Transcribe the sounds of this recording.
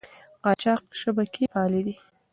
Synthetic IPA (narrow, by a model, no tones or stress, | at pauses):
qɑt͡ʃɑq̚ʃabakʰipɑlid̪i